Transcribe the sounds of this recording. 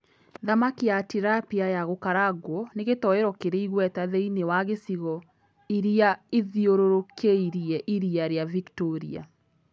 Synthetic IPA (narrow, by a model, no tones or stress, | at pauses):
ðamakijatiɾapiajaɣokaɾaɡwɔneɣetɔeɾɔkeɾeiɣwɛtaðɛinewaɣesiɣɔ | iɾiaeðioɾoɾokʰeiɾiɛʔiɾiaɾeaviktoɾḭa̰